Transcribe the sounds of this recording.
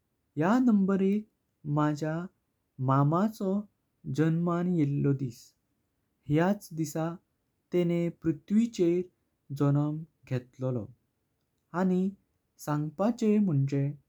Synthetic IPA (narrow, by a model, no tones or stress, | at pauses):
janəmbəɾek̚ | mad͡ʑʱja | mamat͡sɔ | d͡ʑənmanjelːɔd̪iːs | hjat͡sd̪isa | t̪enepɾut̪ʋit͡ɕeɾ | d͡zɔnəmɡʱet̪llɔ̰ | añi | sãŋɡpat͡ɕem̤əɳd͡ʑe